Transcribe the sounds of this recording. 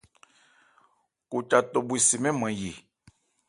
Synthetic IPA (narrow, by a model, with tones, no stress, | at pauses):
ku˨t͡ʃa˨to˨bu˨i˨si˨mɛ̃˦mã˨ji˨